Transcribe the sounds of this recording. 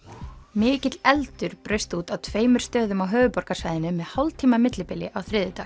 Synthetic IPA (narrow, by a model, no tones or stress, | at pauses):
mɪːcɪt̪lɛlt̪ʏɾ̥pɾœɥst̪uːt̪awt̪ʰveːjmʏɾ̥st̪œːðʏmawɦœːvʏpɔɾkḁsaːjðɪnʏmɛðhawlt̪ʰiːmamɪt̪lɪpɪlːɪʔawθɾɪːðʏt̪aːx